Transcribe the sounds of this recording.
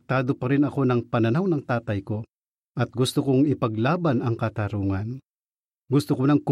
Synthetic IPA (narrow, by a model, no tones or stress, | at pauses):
t̪aːd̪opɐɾɪnɐko̞nɐŋpɐnɐnawnɐŋt̪aːt̪ɐjko̞ | ʔɐt̪̚ɡʊst̪ʊkoŋɪpɐɡlaːbanɐŋkɐt̪ɐɾuːŋan | ɡʊst̪ʊkonɐŋk